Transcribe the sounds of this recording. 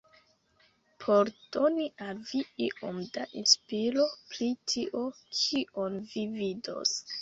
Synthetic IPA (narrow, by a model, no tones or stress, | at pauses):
pʰo̞ɾd̥oniʔalviiʔo̰mdaʔinspiɾo̞pɾitʰiʔo̞kʰiʔo̞nvivido̞̰s